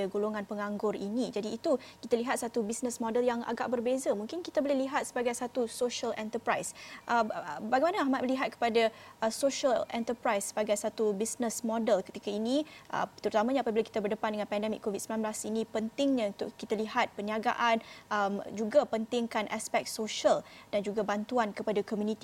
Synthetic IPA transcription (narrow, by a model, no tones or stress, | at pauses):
aɡoloŋãnpəŋaŋɡʊrinĩd͡ʒadiːt̪ukit̪aliɦat̪̚sat̪ubisnə̃smɔ̃dəljaŋa̰ɡa̰ʔ̚bərbezamuŋkɪnkit̪abolɛhliɦat̪̚səbaɡajsat̪usoʃəlɛ̰nt̪əpɾajsʔəmbaɡajmanəaɦmat̪məliɦat̪̚kə̥padaəsoʃəlɛnt̪əpɾajsːəbaɡajsat̪ubisnəsmɔdəlkət̪ikainiʔə̰t̪əɾut̪amãɲaapabilaki̥t̪abərdəpandəŋãnpɛndɛmɪkʰːovit̪̚səmbilanblasinĩpənt̪ɪŋɲãunt̪ʊʔkːit̪aliɦat̪̚pəniaɡa̰ʔanəmd͡ʒuɡapənt̪ɪŋkanʔaspɛk̚soʃəld̥and͡ʒuɡabant̪uankəpadakomjunĩt̪i